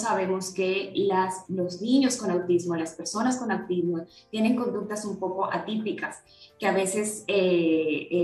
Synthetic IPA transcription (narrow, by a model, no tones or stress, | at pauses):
saβ̞e̞mo̞ske̞laslo̞zniɲo̞sko̞nawt̪izmolaspe̞ɾso̞nasko̞nawt̪izmo̞ | t̪je̞ne̞ŋko̞nd̪uk̚t̪asumpo̞ko̞ʔat̪ipikas | keaβe̞se̞se